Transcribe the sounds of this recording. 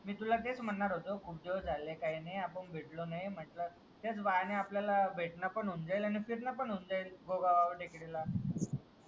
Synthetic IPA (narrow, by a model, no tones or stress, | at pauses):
miːt̪ulat̪et͡sm̤əɳːaɾɦot̪okʰuːp̚d̪ed͡zʱalekaɦinajapəɳbʱeʈlonajm̤əʈlə | t̪et͡sʋaneapljalabʱeʈnapəɳund͡zajlanifiɾnapəɳund͡zailɡoɡaʋaʋəɾʈekɽela